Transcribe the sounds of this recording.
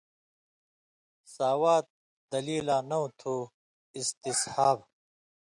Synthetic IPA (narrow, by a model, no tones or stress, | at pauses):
saːwaːt̪̚ | d̪ɐliːlãːnɐut̪ʰuː | ist̪ishaːb